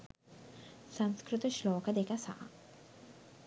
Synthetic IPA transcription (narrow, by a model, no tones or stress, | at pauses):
sanskɾɪt̪əʃlɔːkad̪ekasa̰ʔ